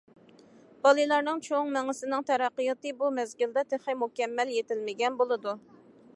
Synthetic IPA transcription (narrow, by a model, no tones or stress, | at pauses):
b̥ɑlˠɨlˠɑɾnɨŋt͡ʃʰoŋmɛŋɪsɪnɨŋt̪ʰɛɾɑqːɨjɑt̪ɨbumɛzɡʲild̪ɛt̪ʰeχɨmukʲɛmːɛljet̪ɪlmɪɡʲɛnbolˠɨd̪u